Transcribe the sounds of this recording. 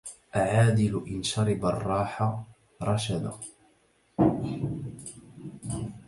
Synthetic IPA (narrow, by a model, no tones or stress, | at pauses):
ʔaʕaːd̪ɪlʊʔɪnʃɑɾˤɪbarˤːɑːħa | ɾˤɑʃad̪a̰